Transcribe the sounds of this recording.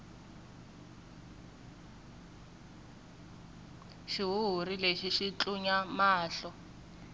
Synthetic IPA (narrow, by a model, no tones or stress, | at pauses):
ʃiɦuɦuɾileʃiʃit͡ɬuɲamaːɬɔ